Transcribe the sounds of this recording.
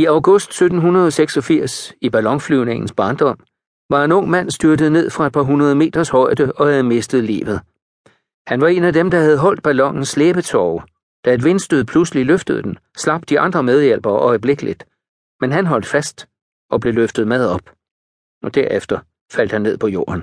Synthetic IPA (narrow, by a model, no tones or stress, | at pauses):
iɑ̈ʊɡ̥ɔ̽sd̥sød̥n̩ɦunɐð̞ˠɒ̽seɡ̥sɒ̽fiɐ̰sib̥ælɒ̽ŋflyʊne̝ŋn̩sb̥ɑ̈nd̥ɒ̽m̰ | ʋɑ̈e̝nɔ̽ŋ̰mæn̰sd̥yɐdəð̞̩ˠne̝ð̰ˠfʁɑ̈e̝̥pʰɑ̈ɦunɐð̞ˠme̝̰ːd̥ɐshɒ̽ɪd̥əɒ̽hæð̞̩ˠme̝sd̥ð̞̩ˠlḭːʋð̩ˠ | hænʋɑ̈e̝næd̥emd̥ɑ̈hæð̞ˠɦɒ̽l̰d̥̚b̥ælɒ̽ŋ̰n̩sːleːb̥ət͡sʰɒʊ | d̥æe̝d̥ʋe̝nsd̥øðˠpʰlusliløfd̥əð̞̩ˠd̥en | slɑ̈b̥̚d̥iɑ̈nd̥ʁɐmeð̞ˠjel̰b̥ɐʔɒ̽ɪb̥le̝ɡ̥əlid̥ | menɦænɦɒ̽l̰d̥fæsd̥ | ʔɒ̽b̥le̝løfd̥ð̞̩ˠmæð̞ˠɒ̽b̥ | ɒ̽d̥æɐefd̥ɐ | fæl̰d̥hænːe̝ð̞̰ˠpʰɒ̽jo̝̰ːɐn